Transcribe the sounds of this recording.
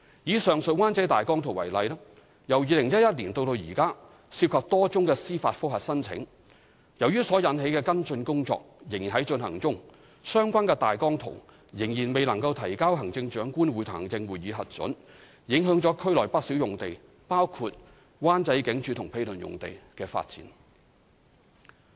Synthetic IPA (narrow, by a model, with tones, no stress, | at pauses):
jiː˨˥sœː˨˩ŋsɵ˨waː˥nt͡sɐ˨˥jt̪aː˨jkɔː˥ŋt̪ʰʊ˨˩ŋwɐ̰˨˩jlɐ˨˧jlɛ˥ | jɐ˨˩wjiː˨˧lɪ˨˩ŋjɐ˥t̚jɐ˥t̚liː˨˩nt̪o˧wt̪o˧wjiː˨˩kaː˥ | siː˧p̚kʰɐ˨p̚t̪ɔː˥t͡sʊ˥ŋkɛː˧siː˥faː˧t̚fʊ˥k̚ɦɐ˨t̚sɐ˥nt͡sʰɪ̰˨˥ŋ | jɐ˨˩wjyː˥sɔː˨˥jɐ˨˥nɦe˨˧˥jkɛː˧kɐ˥nt͡ʃɵ˧nkʊ˥ŋt͡sɔ̰ː˧k̚jɪ˨˩ŋji˨nɦɐ˨˥jt͡sɵ˧nɦɐ˨˩ŋt͡sʊ˥ŋ | sœː˥ŋkʷwʷaː˥nkɛː˧t̪aː˨jkɔː˥ŋt̪ʰʊ̰˨˩ | jɪ˨˩ŋjiː˨˩nme˨jlɐ˨˩ŋkɐ˧wt̪ʰɐ˨˩jkaː˥wɦɐ˨˩ŋt͡sɪ˧ŋt͡ʃœː˨˥ŋkuː˥nwuː˨˧jt̪ʰa̰ː˨˩ŋt͡sɪ˧ŋwuː˨˩jiː˨˧ɦɐ˨t̚t͡sɵ̰˨˥n | jɪ˨˥ŋɦœː˨˥ŋt͡ʃɔː˨˥kʰɵ˥lɔː˨˩jpɐ˥t̚si˨˥wjʊ˨˩ŋt̪e˨j | paː˥wkʰuː˧t̚ | waː˥nt͡sɐ˧jkɪ˨˥ŋt͡ʃʰyː˨˧t̪ʰʊ˨˩ŋpʰe˧jlɵ˨˩njʊ̰˨ŋt̪ḛ˨jkɛː˧fa̰ː˧t̚t͡sḭː˨˥n